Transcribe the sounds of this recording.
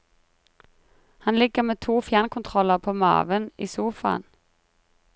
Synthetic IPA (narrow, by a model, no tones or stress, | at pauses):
hɑnlɪɡəmeːt̪ʰuːfjæːnkʰʊnt̪ʰʁɔləʁpʰoːmɑ̰ːʋəniːsuːfɑ̰ːn